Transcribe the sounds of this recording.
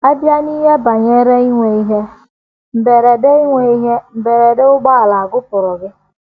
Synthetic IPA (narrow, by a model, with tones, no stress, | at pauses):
a˦bja˦ni˦ɦe˦ba˨ɲe˦ɾe˦i˦ŋʷe˨i˦ɦe˦ | m̩˨be˨ɾe˨de˦i˦ŋʷe˨i˦ɦe˦m̩˨be˨ɾe˨de˦ʊ˦ɡ͡ba˦a˨la˨a˨ɡʊ˦pʊ˨ɾʊ˨ɡɪ˦